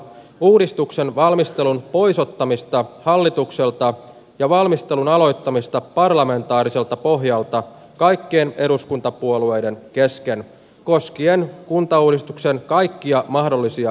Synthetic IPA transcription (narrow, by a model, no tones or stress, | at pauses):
uːdist̪ukse̞nʋɑlmist̪e̞lunpo̞jso̞t̪ːɑmist̪ɑhɑlːit̪ukse̞lt̪ɑ | jɑʋɑlmist̪e̞lunɑlo̞jt̪ːɑmist̪ɑpɑrlɑme̞nt̪ɑːɾise̞lt̪ɑpo̞ɦjɑlt̪ɑ | kɑjkːeːne̞ɾuskunt̪ɑpuolue̞jde̞nke̞ske̞n | ko̞skienkunt̪ɑuːdist̪ukse̞nkɑjkːiɑmɑhdo̞lːisiɑ